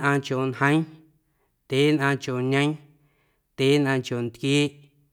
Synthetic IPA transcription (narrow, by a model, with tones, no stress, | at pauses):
ʔãː˧kjo˨nhə̃˦j̃ | t̪e˨˦nʔãː˧kjo˨ɲə̃˦j̃ | t̪eː˨˦nʔãː˧kjo˨nt̪kjiː˦ʔ